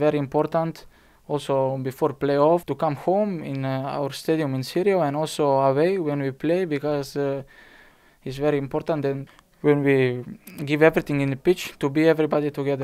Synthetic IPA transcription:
vɛɹiɨ̃mpɔɹt̪ãnt̪ | ɔlˠsobɨfɔɹpleɔft̪ukãmhõʊ̃mɪ̃na̰wə˞st̪ediɨ̃mɪ̃nsiɾioɛ̃nɔlˠsoəweɪwɛ̃nwipʰleɪbikɔz | ɪtsvɛɹiɨ̃mpɔɹt̪ãnt̪ɛ̃n | wɛ̃nwiɡɪvɛvɹiθɪ̃ŋɪ̃nəpɪt͡ʃt̪ubiɛvɹibɑdit̪uɡɛðə˞

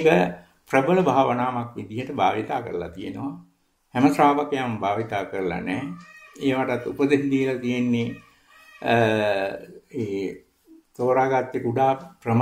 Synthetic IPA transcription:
kə | prəbələbʱaːʋənaːmakʋid̪ijəʈəbʱaːʋit̪aːkəɾəla̰t̪ijenəʋa | hɛməsɾaːʋakejambʱaːʋit̪aːkəɾəla̰nɛːeːʋaʈat̪ːupəd̪end̪iəlat̪ijenːe | eː | t̪oːɾaːɡat̪jekuɖaːprəm

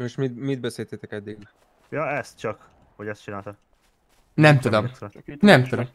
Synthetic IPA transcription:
moʃmimid̪̚bɛseːlt̪eːt̪ɛkɛd̪ːiɡ | jɒɛst̪̚t͡ʃɒk | hoɟɛst̪t͡ʃinaːlt̪ɒ | nɛmt̪ud̪omnɛmt̪ud̪om

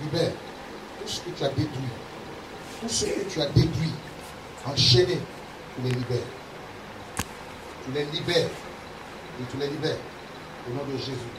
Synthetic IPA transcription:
libɛːʁ | t̪usə̥køt̪yad̪et̪ʁɥi | t̪usəkøt̪yad̪et̪ɥi | ãʃɛne | t̪ulɛlibɛːʁ | t̪ylɛlibɛːʁ | et̪ulɛlibɛːʁ | onɔ̃d̪əʒezy

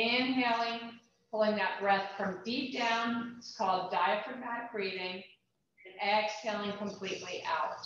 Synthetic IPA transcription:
æ̃nɦɛlˠɪ̃ŋ | pʰʊlˠɪ̃ŋðɨt̚b̥ɹɛθfɹʌ̃mdip̚d̥ãʊ̃nɪtskʰɔlˠdaɪɨfɹəmæɡ̥ɹiɾɪ̃ŋ | ɨ̃nɛkshɛlˠɪ̃ŋkʰə̃mpʰl̥iʔˡliʔa̰ʊt̚

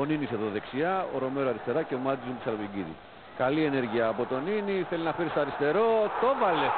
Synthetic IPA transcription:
oniniseðoðe̞ksiɐo̰ɾo̞me̞ɾoɐɾist̪e̞ɾɐceomɐt̪izuisɐlopiɟiðḭ | kɐlie̞ne̞ɾʝiɐːpo̞t̪o̞niniθeliznɐfiɾist̪ɐɾist̪e̞ɾo̞t̪o̞vɐle̞

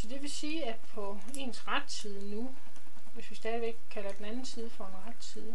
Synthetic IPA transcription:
sɒ̽d̥e̝ʋe̝siːæ̥pʰɒ̽ | e̝ːnsʁad̥siːð̞ˠənu | ʋe̝sʋisd̥ɛːðˠiʋeɡ̥kʰælɐd̥enænn̩siːð̞ˠəfɒ̽e̝nʁad̥siðˠə

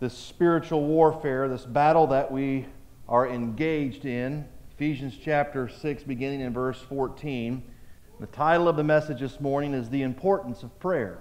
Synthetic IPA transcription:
ðɪspɪɹɨt͡ʃul̩ˠwɔɹfɛɹðɪsbæɾl̩ˠðɨʔwi | ʔə˞ɨ̃nɡeɪd͡ʒdɪ̃nɨfiʒɨ̃nz̥t͡ʃʰæp̚tə˞sɪksb̥ɨɡɪ̃ñɪ̃ŋɨ̃nvɜ˞sfɔɹtʰĩn | ðɨtʰaɪɾl̩ˠʌvðɨmɛsɨd͡ʒðɪsmɔɹnɪ̃ŋɨzðiɨ̃mpʰɔɹʔn̩sʌv̥pʰɹ̥ɛɹ

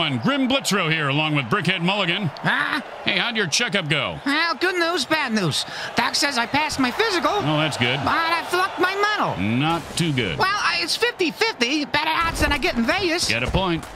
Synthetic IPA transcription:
ʌ̃nɡɹɪ̃mblɪtɹoʊhiɹəlɔ̃ŋwɨðbɹɪkɛd̚mʌlˠəɡɨ̃na | heɪhaʊdɨjə˞t͡ʃʰɛkʌp̚ɡ̥oʊaɡ̥ʊdⁿnuzbædⁿnuz̥ | θæksɛzaɪpæsmaɪfɪzɨkl̩ˠnoʊðætsɡ̥ʊd̚ɑɾaɪflʌk̚t̚maɪmʌnl̩ˠnətʰʉɡʊ̰d̥̚wɛlˠɪtsfɪftifɪftibɛɾə˞ædzðɨ̃ñaɪɡɛɾn̩veɪɨsɡ̥ɛ̰ɾɨpʰɔ̃ɪ̃nt̚

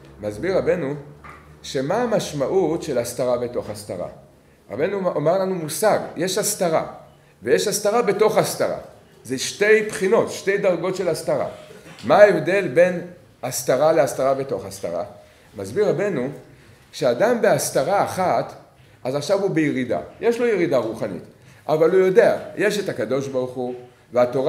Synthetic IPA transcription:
mazbiʁabe̞nu | ʃe̞maːmaʃmaʔutʃe̞last̪aʁabe̞to̞χasta̰ʁa̰ | ʁa̰be̞nuameʁlanumusaɡje̞ʃastaʁa̰ | ve̞jeʃastaʁabe̞to̞χastaʁa̰ | zeʃte̞jpχino̞tʃte̞jdaʁɡo̞tʃe̞lastaʁa̰maːevde̞lbe̞n | ast̪aʁaleast̪aʁabe̞to̞χast̪a̰ʁa̰ | mazbiʁabenu | ʃeadambe̞ast̪aʁaːχat | ʔazaχʃavubejeʁida̰jʔe̞ʃlo̞jeʁidaʁuχanḭt̪ | ʔavalhujo̞de̞a̰je̞ʃe̞takado̞ʃbaʁuχu | veato̞ʁ

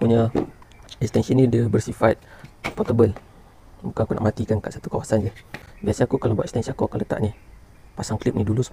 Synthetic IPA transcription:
puɲa | ɛkst̪ɛnsinĩdəbərsifat̪̚pɔt̪əbəl | bukanakuna̰ʔmat̪ikankaʔsat̪ukawasand͡ʒəbiasaakukalabat̪ɛkst̪ɛnsiakuakanlət̪a̰ʔni | pasaŋklip̚nidulusə̥

